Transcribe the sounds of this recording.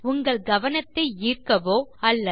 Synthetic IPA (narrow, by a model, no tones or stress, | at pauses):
ʊŋɡɐɭɡɐʋɐnɐt̪ːɐɪiːrkɐʋoːɐlːɐ